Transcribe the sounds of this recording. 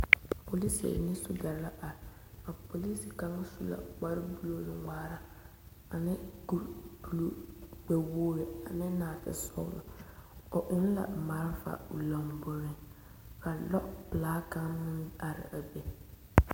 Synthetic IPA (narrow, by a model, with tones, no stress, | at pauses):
po˨li˦si˨a̰˨nĩ˦su˦da˨ɾla˦ʔa˨ɾɪ˨a˨po˨li˦si˨ka˦ŋa˦su˦la̰˨k͡pa˦ɾɪ˦bu˦lo˦lʊ˨ŋaː˨ɾa˦ | a˨nɪ˦ɡu˨du˨lo˦˨ɡ͡bɛ˨woː˦ɾe˨a˨nɪ˦naː˨tɪ̰˦sɔ̰˦lʊ̰˨ɔ˨ʔʊ̃˦n˦la̰˨ma˨˦ɾfa̰˨u˨la˨mbʊ˨ɾɪ˦ | ka˨lɔ˦ʔplaː˦kã˦nɪ̃˦a˨ɾɪ̰˨ʔa˨be˨